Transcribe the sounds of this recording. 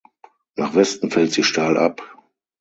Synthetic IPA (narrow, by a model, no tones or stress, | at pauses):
naːχvɛstn̩fɛltz̥iːʃtaːlʔa̰p